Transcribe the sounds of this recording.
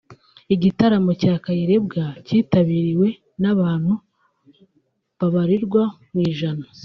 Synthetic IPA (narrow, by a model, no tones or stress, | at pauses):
iɟitaɾamocaːkajiɾe̞b̚ɡaciːtaβiɾiwe̞ | naβaːn̥hu | βaβaɾiɾɡwamwiːʒana